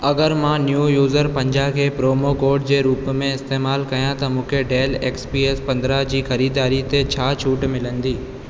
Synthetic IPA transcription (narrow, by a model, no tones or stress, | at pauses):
ɐɡəɾmãːnjujuːzəɾpɐ̃ɲd͡ʑakʰeːpɾoːmokoːɾɖd͡ʑeːɾuːpmẽɪst̪eːmaːlkɐjãt̪ɐmũːkʰeɖeːleːkspiːeːspɐ̃nd̪ɾad͡ʑiːxɐɾiːd̪aːɾit̪et͡ɕʰaːt͡ɕʰuːʈmɪlə̃nd̪iː